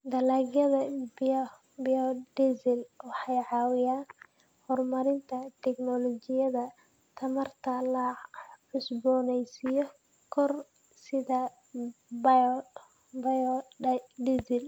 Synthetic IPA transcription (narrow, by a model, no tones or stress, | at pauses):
d̪ɐlaːɡjɐðɐb | biɔd̪ɛsɪlwɑħɑjʕɑːwɪjaːn | hɔrmɐɾɪnt̪ʰɐt̪ʰɛknɔlɔt͡ʃɪjɐðɐ | t̪ʰɐmɐrt̪ʰɐlɐʕʊsbɔːnɛjsɪjɔ | kʰɔr | sɪðɐ | b | bj | d̪isɪl